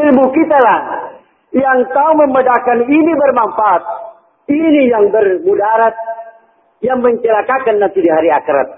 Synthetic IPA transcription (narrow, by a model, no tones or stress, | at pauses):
ibukit̪alah | jaŋt̪auməmədakaninibərmamfaat̪̚ | inijaŋbərbudaɾat̪̚ | jaŋməɲt͡ʃəlakakanːant̪idiɦaɾiakəɾa̰t̪̚